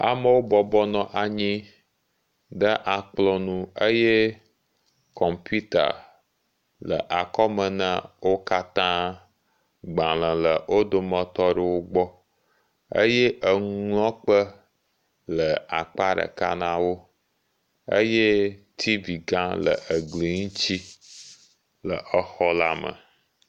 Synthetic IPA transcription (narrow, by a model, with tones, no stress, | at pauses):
a̰˨mə˦wo˦bɔ˨bɔ˦nɔ̃˨ʔa˨ɲĩ˦ | ɖə˦ʔa˨k͡plɔ˦nũ˦ə˦je˦ | kɔ˨mpu˦t̪a̰˨ | lə̰˨ʔa˨kɔ˦mə̃˨nə̃˦wo˦ka˦t̪ã˦ | ɡ͡bã˨lə̃˨lə˨wʔo˦d̪o˨mə̃˨t̪ɔ˦ɖə˨wo˦ɡ͡bɔ˦ | ə̰˦je˦ʔə˨ŋ˦ŋlɔ̃˦k͡pə˦ | lə˨a˨k͡pa˦ɖə̰˨ka̰˦nã˦wo˦ | ə̰˦je˦t̪ʰi˦vi˨ɡã˦lə̰˨ʔə˨ɡli˨ŋũ˦t͡ɕi˦ | lə˨ʔə˨xɔ˦la˦mə̰̃˨